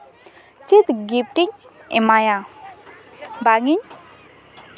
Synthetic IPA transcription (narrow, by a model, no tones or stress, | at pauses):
t͡ʃit̪ɡip̚ʈiɲɛmaja | baŋiɲ